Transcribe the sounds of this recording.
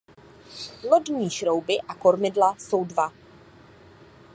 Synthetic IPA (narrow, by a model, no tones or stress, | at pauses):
lodɲiːʃɾowbɪʔako̞ɾmɪdlaso̞wdva